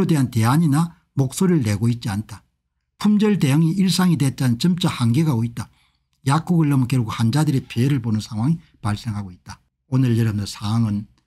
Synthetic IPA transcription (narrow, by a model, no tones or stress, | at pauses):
odweɦante̞aɲina | mok̚s͈oɾiɭːe̞ɡoit̚t͡ɕ͈iantʰa | pʰumd͡ʑʌɭdejʌŋiiɭs͈aŋidet̚t͡ɕ͈anɯnt͡ɕɯmt͡ɕ͈ahanɡeɡaoit̚t͈a | jak̚k͈uɡɯɭːʌmk͈eɾuɡʰohand͡ʑadɯɾepʰjeeɾɯɭbonɯnsʰaŋɦwaŋi | paɭs͈eŋɦaɡoit̚t͈a | onɯɭjʌɾʌmʌsʰaŋɯn